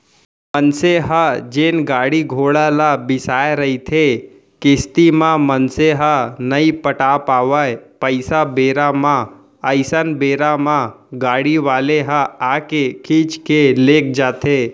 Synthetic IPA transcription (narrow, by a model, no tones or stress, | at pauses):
mənseɦəd͡ʒeːnɡaːɽiɡʱoːɽalabɪsaːjeɾɐit̪ʰe | kɪst̪imãmənseɦənəipəʈapaːʋəjpəɪsabeːɾamã | əɪsənbeːɾamãɡaːɽiʋaːleɦəaːkekʰiːt͡ʃkeleːk̚d͡ʒaːt̪ʰeː